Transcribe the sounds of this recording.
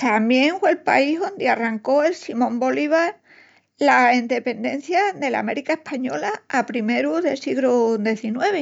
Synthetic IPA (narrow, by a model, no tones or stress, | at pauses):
t̪amje̞ŋfwe̞lpa̰iɦðo̞nd̪earaŋko̞e̞lsimõ̞mbo̞liβ̞aɾ | laind̪e̞pe̞nd̪ẽ̞n̟θjaðe̞la̰me̞ɾikae̞hpaɲo̞laːpɾime̞ɾuðe̞siɣlud̪e̞θinwe̞β̞e